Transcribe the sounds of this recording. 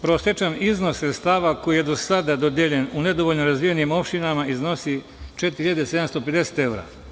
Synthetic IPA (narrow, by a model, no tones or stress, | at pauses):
pɾosjet͡ʃanizno̞sːɾest̪aːʋako̞jijed̪o̞sad̪ad̪od̪jeʎenune̞d̪o̞ʋoʎnoɾazʋijenimo̞pʃt̪inamaizno̞si | t͡ʃet̪ɾhiʎad̪ese̞d̪amst̪oped̪e̞se̥t̪e̞wɾa̰